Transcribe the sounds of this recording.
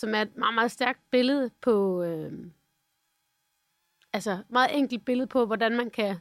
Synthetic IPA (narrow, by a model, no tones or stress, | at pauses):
sɒ̽mæɐe̝d̥mɑ̈ːmɑ̈ːðˠsd̥æɐɡ̥̚d̥̚b̥e̝ləð̞ˠəpʰɒ̽ø | ælsəmɑ̈ːð̞̩ˠʔeŋ̰ɡ̥l̩d̥̚b̥e̝ləðˠpʰɒ̽ʋɒdænmænkʰæ